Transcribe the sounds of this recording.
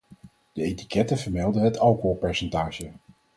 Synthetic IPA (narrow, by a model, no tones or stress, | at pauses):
d̥əejti̥kɛtəvəɹmɛlˠdəɦətʰɑlˠkoɦolˠpɛɹsɛntaːʒə